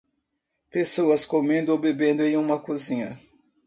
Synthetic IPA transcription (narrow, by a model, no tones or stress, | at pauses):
pesoɐskomẽnd̪ʊobebẽnd̪ʊẽjũmɐkuzĩɲɐ